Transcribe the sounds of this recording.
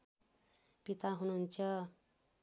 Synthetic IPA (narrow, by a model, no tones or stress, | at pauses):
pit̪aɦunuɦunt͡sʰʌ